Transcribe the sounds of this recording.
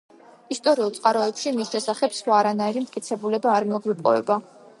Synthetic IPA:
ist̪ʼɔɾiulˠt̪sʼqʼaɾɔɛpʃimisʃɛsaχɛbsχwaːɾanaiɾimt̪ʼkʼit̪sʰɛbulɛbaːɾmɔɡwipʼɔ̰vɛ̰ba

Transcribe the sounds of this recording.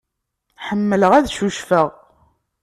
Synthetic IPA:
ħəmːələʁæðʃuʃfəʁ

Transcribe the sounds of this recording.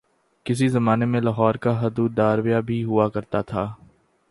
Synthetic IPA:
kɪs̬izɐmaːnemẽlaɦɔːɾkaɦɐd̪uːd̪ːaːɾwijabʱiɦʊakɐɾt̪at̪ʰaː

